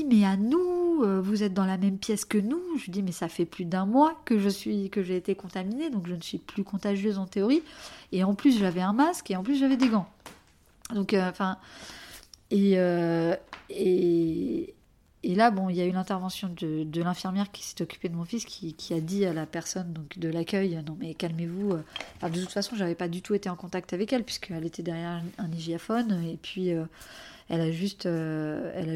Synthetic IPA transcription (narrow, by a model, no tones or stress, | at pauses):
imɛanuøvuzɛt̪̚d̪ɑ̃lamɛmpjɛskənuʒəd̪imɛsafɛplyd̪ɛ̃mwakəʒəsɥikəʒeːt̪ekɔ̃t̪amined̪ɔ̃kʒənəsɥiplykɔ̃t̪aʒjøzɑ̃t̪eɔʁieɑ̃plys̬ʒavɛɛ̃maskeɑ̃plys̬ʒavɛd̪eɡɑ̃ | d̪ɔ̃køɑ̃fɛ̃ | eø | e | labɔ̃iljaylɛ̃t̪ɛʁvɑ̃sjɔ̃d̪əd̪əlɛ̃fiʁmjɛʁkʲʰi̥sɛ̥t̪ɔkʲy̥ped̪əmɔ̃fiskʲikʲʰiad̪ialapɛʁsɔnd̪ɔ̃kd̪əlakʲœjønɔ̃mɛkalmevuøɑ̃fɛ̃d̪ət̪ut̪fasɔ̃ʒavɛpad̪yt̪uet̪eɑ̃kɔ̃t̪ak̚t̪avɛkɛlpɥiskʰəɛlet̪ɛd̪ɛʁjɛʁɛ̃niʒiafɔnepʰɥiø | ɛlaʒyst̪øɛ̰la